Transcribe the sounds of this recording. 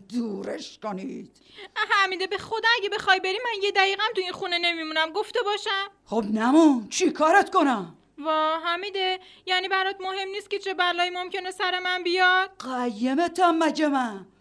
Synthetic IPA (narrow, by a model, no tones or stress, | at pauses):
d̪uːɾeʃkoniːd̪̥ɦæmid̪ebexo̞d̪æɟebe̞xɒjbe̞ɾiːmænje̞d̪æjiːɣæmt̪uinxune̞ne̞mimunæmɡoft̪e̞bɒːʃæmχobnæmunt͡ʃʰikʰɒːɾet̪konæ | vɒːɦæmid̪e | jæniːbæɾɒt̪mohe̞mniːst̪̚ce̞t͡ʃʰe̞bælɒːjimomcʰene̞sæɾe̞mænbijɒd̪̥ɢæjːemet̪ʰæmːæd͡ʒemæ